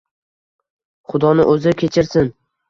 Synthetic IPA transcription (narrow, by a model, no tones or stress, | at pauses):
χʊd̪ɒnɪ̰ʔɵzɪkʲʰe̞t͡ʃʰɪɾsɪn